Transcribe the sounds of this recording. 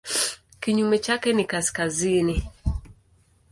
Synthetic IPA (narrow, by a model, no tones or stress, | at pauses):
kiɲumɛt͡ʃakɛnikaskazini